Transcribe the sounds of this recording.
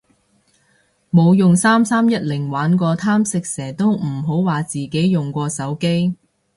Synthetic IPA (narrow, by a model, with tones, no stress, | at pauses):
mo˨˧wjʊ˨ŋsaː˥msaː˥mjɐ˥t̚lɪ˨˩ŋwaː˨˥nkʷɔː˧t̪ʰaː˥msɪ˨k̚sɛː˨˩t̪o˥wm̩˨˩ɦo˨˥wwaː˨t͡siː˨ke˨˥jːʊ˨˩ŋkʷɔː˧sɐ˨˥wke˥j